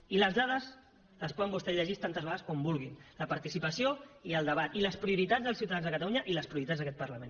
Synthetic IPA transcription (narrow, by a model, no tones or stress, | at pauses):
iləzðaðəz | ləspɔðəmbust̪eʎəʒist̪ant̪əzβaðəskɔmbulˠɣinləpɐɾt̪isipəsioiəlˠd̪əβ̞at̪iləspɾiuɾit̪adzðəlˠsiuwt̪aðanzðəkət̪aluɲəʔiləspɾiuɾit̪azðəkɛt̪pərləmẽn